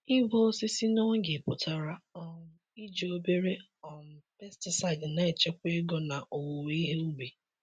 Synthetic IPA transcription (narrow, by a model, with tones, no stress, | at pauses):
i˦ɦo˦si˦si˦no˦ɡe˨pʊ˨ta˨ɾa˦ɔ˦ʊ˦ | i˦d͡ʒe˨o˦be˦ɾe˦ | ɔ˨n̩˨pɛ˦stɪ˨sa˨ɪ˨dna˨e˨t͡ʃe˦kʷe˦ɡɔ˨na˨ʔo˨wo˨wi˦ɦe˦u˦ɡ͡bi˨